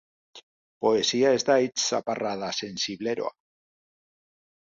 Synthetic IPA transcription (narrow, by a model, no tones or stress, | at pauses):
poesiaezd̪ajt͡ssaparað̞ase̞nsiβleɾoa̰